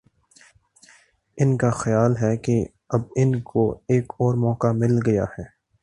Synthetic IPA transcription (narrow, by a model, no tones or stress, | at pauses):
ɪnkaxɐjaːlɦɛke | ɐbɪnkoeːkɔːɾmɔːkamɪlɡɐja̰hɛː